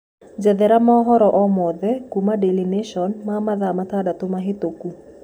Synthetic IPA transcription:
d͡ʒɛd̪ɛɾamaɔɦɔɾɔʔɔmɔðɛkumadɛlineʃɔnmamaðamat̪adat̪omaɦet̪oku

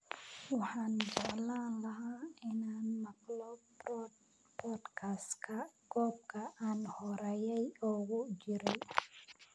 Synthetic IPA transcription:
wɑħɑːnd͡ʒɛʕlaːnlɐɦaːɪnaːnmɐɡlɔ | pʰɔːd̪kʰaskʰɐɡʰɔːb̚kʰɐʔaːnhɔɾɛːjɛjɔːɣʊt͡ʃɪɾɛj

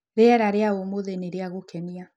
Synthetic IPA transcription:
ɾeɛɾaɾeaomoðeneɾeaɣokɛnia

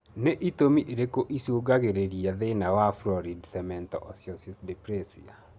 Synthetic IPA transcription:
neʔit̪omiʔeɾekoʔisoɡaɡeɾeɾjaðenawaflɔɾidsɛmɛntɔ̰ʔɔsjɔsisdɛpɾɛsḭa̰

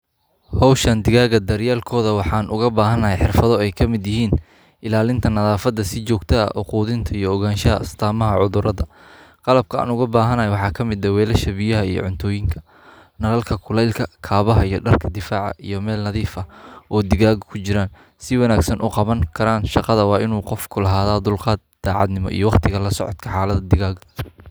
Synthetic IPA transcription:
hɔwʃɐnd̪ɪɣaːɣɐd̪ɐɾjaːlkʰɔːðɐwɑħɑːnʔʊɣɐbaːɦɐnɐɦɛjħɪrfɐðɔɛjkʰɐmɪd̪jɪɦiːn | ʔɪlaːlɪnt̪ʰɐnɐðaːfɐd̪ːɐsɪt͡ʃɔːɡt̪ʰɐɐ̰ʔʊquːðɪnt̪ʰɐijɔɔɣaːnʃɐɐɐst̪ʰaːmɐɦɐʕʊðʊɾɐðɐ | qɑlɐb̚kʰɐʔa̰ːnʊɣɐbaːɦɐnɐɛjwɑħɑːkʰɐmɪd̪ɐwɛːlɐʃɐβɪjɐɦɐijɔ̰ʕʊnt̪ʰɔːjɪŋkʰɐ̥ | nɐlɐlkʰɐkʰʊlɛjlkʰɐkʰaːβɐɦɐijɔɖɐrkʰɐd̪ɪfaːʕɑ̰ʔijɔmɛːlnɐðiːfɐʔɔːd̪ɪɣaːɣkʰʊt͡ʃɪɾaːn | sɪwɑnaːɡsɐnʔʊqɑβɐŋkʰɐɾaːnʃɑqɑðɐwɑːʔɪnuːqɔfkʰʊlɐɦaːðaːd̪ʊlqɑːd̪̚d̪̥aːʕɑ̰d̪nɪmɔ̰ʔḭjɔwɑqt̪ʰɪɣɐlɐsɔ̰ʕɔ̰t̪kʰɐħaːlɐðɐd̪ɪɣaːɡ

